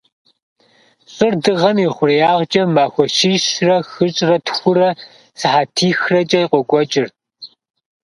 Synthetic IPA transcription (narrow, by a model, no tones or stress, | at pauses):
ɕʼɨrdɨʁɐmiχʷʊrjaːʁd͡ʒʼɐmaːxʷɔʃiːɕrɐxɨɕʼrɐtxʷʊɾɐ | sɨħaːtʰiːxrɐt͡ʃʼɐjqʷɔɡʷɔt͡ʃʼɪr